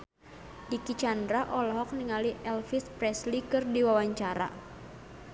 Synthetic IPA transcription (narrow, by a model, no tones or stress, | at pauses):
dikit͡ʃandɾaʔɔlɔɦɔk̚niŋaliʔɛlfispɾɛslikɨrdiwawaɲt͡ʃaɾa̰